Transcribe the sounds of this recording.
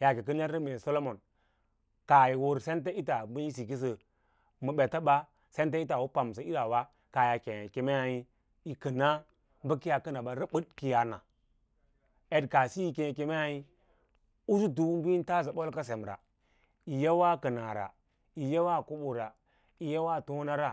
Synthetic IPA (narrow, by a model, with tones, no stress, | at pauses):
ja˨ki˨k̬ə˦n˦a˦ɾə˦me˨so˦lo˦mo˨n | ka˨ji˨wo˨ɾse˦nt̬e˦i˦ta˨bi˦i˦s̬i˨ki˦s̬ə˨ | mə˨ɓe˨ta˦ɓa˦ | se˦nt̬a˦i˦ta˨wu˦pa˨m˨s̬a˨i˦ɾa˨wa˦ | ka˨ja˨ke˨e˨ke˨me˦a˨i˦ | i˨kə˨na˦ | bə˦ki˦ja˨kə˦na˨ɓa˨ɾə˦bə˦dki˦ja˨na̰˨ | e˨dka˨si˦i˨ke˨ke˦me˦ja˦i˦ | u˦su˦du˦bi˦n˦ta˦sa˨ɓo˦lka˦se˨m˨ɾa̰˨ | i˨ja˦wa˦kə˨na˨ɾa̰˨ | i˨ja˦wa˦˨ku˦ɓo˨ɾa˨ | i˨ja˦wa˦˨to˦na˦ɾa˦